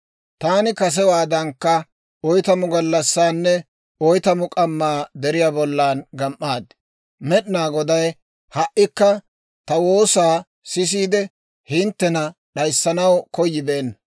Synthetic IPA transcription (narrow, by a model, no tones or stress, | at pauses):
t̪aːnɪkɐs̬ɛwaːd̪ɐŋkːɐ | ɔjt̪ɐmʊɡɐlːɐsːaːnːɛ | ɔjt̪ɐmʊkʼɐmːaːd̪ɛɾɪjaːbɔlːaːnɡɐmʔaːd̪ | mɛɗɪnaːɡɔd̪ɐj | hɐʔːɪkːɐ | t̪ɐwo̞ːsaː | sɪs̬iːd̪ɛ | hɪnt̪ːɛnɐɗɐjsːɐnɐwkɔjːɪbe̞ːnːɐ